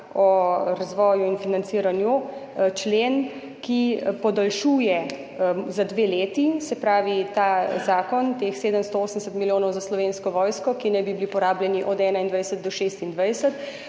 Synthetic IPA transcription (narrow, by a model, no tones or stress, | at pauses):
ɔɾazʋɔːjuinfinant̪siɾanjut͡ʃlen | kipɔd̪alʃuːjɛ | zad̪ʋeːleːt̪isɛpɾaːʋit̪azaːkɔnt̪exseːd̪əmst̪ɔoːsənsət̪miljoːnɔwzaslɔʋeːnskɔʋɔːjskɔkinɛjbibilipɔɾaːbljɛniʔɔd̪ɛːnaind̪ʋajsət̪̚d̪ɔʃeːst̪ind̪ʋajsət̪